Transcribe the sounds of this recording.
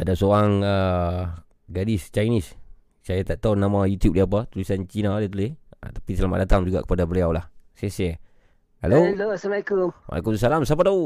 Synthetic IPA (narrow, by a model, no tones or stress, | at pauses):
adasoaŋə | ɡadist͡ʃajnis | sajat̪aʔt̪aunamajut̪jup̚diap̬at̪ulisant͡ʃinadat̪̬ulɪhə̰t̪ḁpisəlama̰ʔ̚dat̪aŋd͡ʒuɡa̰ʔkə̥padabəliawlahsɛsɛ | ha̰lolosəmakumma̰lḭkumsalamsapat̪au